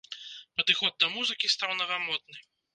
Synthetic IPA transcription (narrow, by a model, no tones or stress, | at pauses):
pɐd̪ɨxɔd̪̚d̪ːɐmuzɨkʲist̪awnɐɣamɔd̪̚nɨ